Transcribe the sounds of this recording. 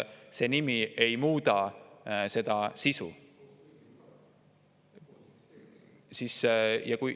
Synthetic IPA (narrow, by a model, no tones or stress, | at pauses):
se̞nimiejmuːd̪ɑ | se̞d̪̥ɑsisṵ | sisjɑkuj